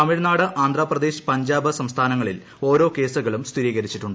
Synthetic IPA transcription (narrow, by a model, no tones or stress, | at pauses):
ɐmiɻnaːɽɨʔaːnd̪raːprɐd̪eːɕi̥pɐɲd͡ʑaːbɐsɐmst̪ʰaːnɐŋːɐɭil | o̞ːɾo̞ːke̞ːsuɣɐɭumst̪ʰiɾiːɣɐɾit͡ɕːiʈːuɳɖɨ